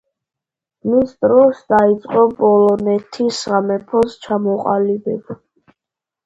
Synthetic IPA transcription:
misd̪ɾɔsd̪ait̪sʼqʼɔpʼɔlɔnɛt̪ʰisʁamɛpʰɔst͡ʃʰamɔqʼa̰libɛb̥

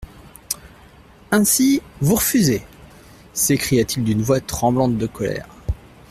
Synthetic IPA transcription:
ɛ̃sivuʁəfyze | sekχijat̪ild̪ynvwat̪χɑ̃blɑ̃t̪̚d̪əkɔlɛ̰ːʁ

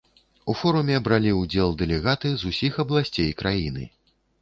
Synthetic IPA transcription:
ufɔɾumʲɛbɾalʲiud͡zʲɛlˠd̪ɛlʲɛɣat̪ɨzusʲixɐblˠasʲt͡sʲejkɾajinɨ̰

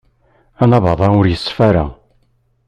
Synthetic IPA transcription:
ænɑvɑðˤɑʊɾjəsˤːfæɾa̰

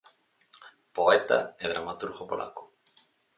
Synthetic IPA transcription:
poɛt̪a̰eð̞ɾamat̪uɾɣopolʔa̰ko̥

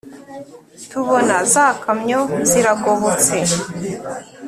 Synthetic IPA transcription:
tuβonazakamɲoziɾaɡoβot͡se

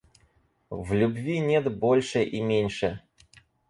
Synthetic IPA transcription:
vlʲʊbvʲinʲet̪bolʲʂɨʔimʲenʲʂɨ

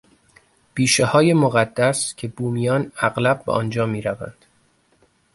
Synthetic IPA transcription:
b̥iːʃehɒːjemoɣæd̪ːæscʰe̞buːmijɒːnæɣlæb̚ːḛʔɒ̰ːnd͡ʒɒːmiːɾævæ̰nd̪̥

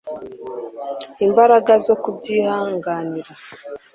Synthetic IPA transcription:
imbaɾaɡazo̞kubɟiːhaːŋɡaːniɾa

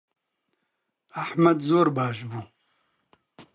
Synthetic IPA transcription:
aħmɐd̪zoːɾbaːʃbuː

